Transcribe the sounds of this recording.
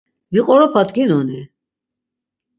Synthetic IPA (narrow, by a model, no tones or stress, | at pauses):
viqʼɔɾɔpʰat̪ɡinɔni